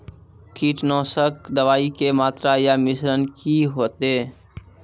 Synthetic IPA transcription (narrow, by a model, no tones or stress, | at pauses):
kiːʈnɔːsəkd̪əʋaːikemaːt̪ɾajamɪsɾənkiɦoːt̪eː